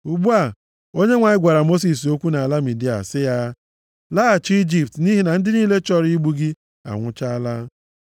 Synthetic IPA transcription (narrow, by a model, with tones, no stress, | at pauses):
u˨ɡ͡bu˦a˨ | o˦ɲe˦ŋʷa˨ɲɪ˦ɡʷa˨ɾa˨mo˦s̬i˨s̬o˦kʷu˦na˨a˨la˦mi˨di˦a̰˨sɪ˦ja˦ | la˦a˨t͡ʃi˦d͡ʒi˨p̚tni˦ɦi˨na˨n̩˦dɪ˦ni˦le˦t͡ʃɔ˦ɾi˦ɡ͡bu˦ɡɪ˦ | a̰˨ŋʷʊ˦t͡ʃa˦la˦